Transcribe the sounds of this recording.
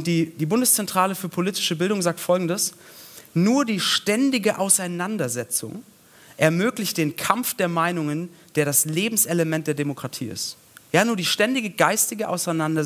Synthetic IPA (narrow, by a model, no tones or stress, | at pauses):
ʊnd̥iːd̥iːbʊndəst͡sɛntʁ̥aːləfyːɐpʰoliːtɪ̥ʃəbɪldʊŋzaːk̚tfɔlɡŋ̩dəs | nuːɐdiːʃtɛndɪɡəʔaʊsaɪnandɐzɛt͡sʊ̰ŋ | ʔɛɐmøːklɪçt̚d̥eːnkʰamfd̥eːɐmaɪnʊŋənd̥eːɐɾasleːbm̩sʔɛləmɛntd̥eːɐdemokʁ̥atʰḭːɪ̰st | jaːnuːɐdiːʃtɛndɪɡəɡaɪstɪɡəʔa̰ʊsaɪnandɐ